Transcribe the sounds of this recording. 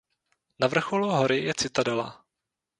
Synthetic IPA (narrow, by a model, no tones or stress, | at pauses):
navr̩xoluɦoɾɪjɛt͡sɪt̪adɛla̰